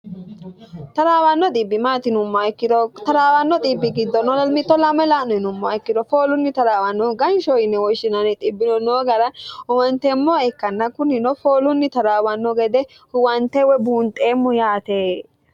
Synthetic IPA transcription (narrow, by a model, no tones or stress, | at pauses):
t̪ɐɾaːwɐnːɔt̪ʼɪbːɪmaːt̪ɪnʊmːɔɐjkːɪd̪ɔt̪ɐɾaːwɐnːɔt̪ʼibːɪɡɪd̪ːɔnɔmɪt̪ːɔlɐmːɐlaːnɔɪnʊmːɔɐjkːɪd̪ɔfoːlʊnːɪt̪ɐɾaːwɐnːɔɡɐnʃɔjɪnːɛwɔʃɪnɐnɛt̪ʼɪbːɪnɔnoːɡɐɾɐwɐnt̪ɛmːɔɛkːɐnːɐkʊnɪnɔfoːlʊnːɪt̪ɐɾaːwɐnːɔɡɛd̪ɛ | ʊwɐnt̪ɛwɛbuːnt̪ʼeːmːɔjaːt̪eː